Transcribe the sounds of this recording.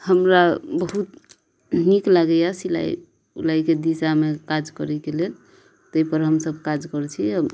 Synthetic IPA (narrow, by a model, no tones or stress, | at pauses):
həmɾabəɦut̪ | niklaɡɛjasila̰j | ṵlaijked̪isamekad͡ʒkəɾɛkelel | t̪əipəɾɦəmsəb̚ʱkad͡ʒkəɾt͡ʃʰiɦəm